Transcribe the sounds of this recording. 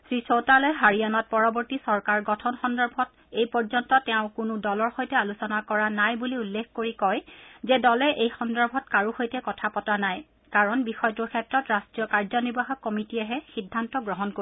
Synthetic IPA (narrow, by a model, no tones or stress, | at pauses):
sɹisotalɛɦaɹianɔt̚pɔɹɔbɔɹtisɔɹkaɹɡɔtʰɔnxɔndɔɹbʱɔt | ejpɔɹzɔntɔtɛʊ̃kʊnʊdɔlɔɹxojtɛalusɔnakɔɹanajbuliulːekkoɹikɔjzɛdɔlɛʔejxɔndɔɹbʱɔtkaɹuxojtɛkɔtʰapɔtanaj | kaɹɔnbixɔjɔtuɹkʰɛtːɹɔtɹastɹijɔkaɹzɔniɹbaxɔkːɔmitiɛɦɛxidʱːantɔɡɹɔɦɔnko